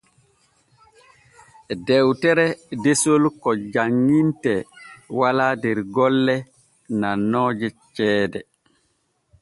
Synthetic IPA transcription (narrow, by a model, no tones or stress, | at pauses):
dɛwtɛɾɛdesolkɔd͡ʒaŋːintɛwalaːdɛɾɡɔlːɛ | nanɔːd͡ʒɛt͡ʃɛːdɛ